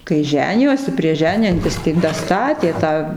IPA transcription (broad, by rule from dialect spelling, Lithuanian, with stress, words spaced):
kɐɪ ˈʒʲæːnʲɪjoːsʲɪ pʲrʲiɛʃ ˈʒʲæːnʲɪjɛnʲtʲɪs tɐɪ dɐˈstɑːtʲeː ˈtɑː